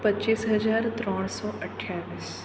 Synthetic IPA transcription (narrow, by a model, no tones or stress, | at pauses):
pət͡ʃiːsɦɐd͡ʒaːɾt̪ɾɔːɽ̃sɔːʔəʈʰːjaːʋiːs